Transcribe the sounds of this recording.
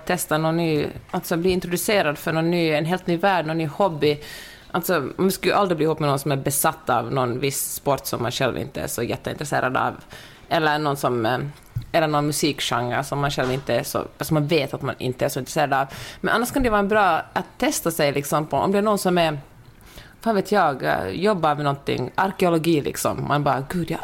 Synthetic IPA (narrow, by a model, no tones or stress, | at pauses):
t̪ʰːɛst̪anɔnːyːʔalt̪sɔbliːɪnt̪ɾʊd̪ʉseːɾad̪fœɾɳɔnːyːɛnɦeːlt̪nyːvæːɖɳnɔnːyːhɔbːɪ | ʔalt̪sɔmskajʔalɾɪbliːhuːpːmɛnɔnsɔmæɾbɛsat̪ːɑ̰vnɔnvɪsspɔʈːsɔmːanɧɛlvɪ̰nt̪ːəæ̰ʂɔjɛt̪ːəɪ̰nt̪ɾɛsḛːɾad̪a̰v | ɛlːəɾɳɔnsɔm | ɛlːəɳɔnmʉsiːkʂaŋːəɾʂɔmːanɧɛlvɪnt̪əæʂɔ̰sɔmːanveːt̪at̪ma̰nɪ̰nt̪ːəæʂɔɪnt̪ɾɛseːɾad̪ɑvmɛnʔanːaʂkʰand̪ɛvɑːɾɛnbɾɑːʔat̪ʰːɛst̪asɛjlɪksɔmpʰɔʔɔ̰md̪ɛnɔnsɔmɛɾ | faːnveːt̪ʰjɑːɡjɔbːamɛnɔnt̪ɪ̰ŋːaɾkɛʊlɔɡiːlɪ̰ksɔ̰mmʔa̰nbɑːɾaɡʉ̟ːd̪jɑ